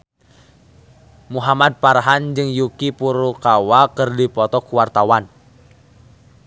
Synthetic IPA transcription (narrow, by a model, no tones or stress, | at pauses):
muɦamad̪̚parɦand͡ʒɨŋjukipuɾukawakɨrdipɔt̪ɔkuwart̪awan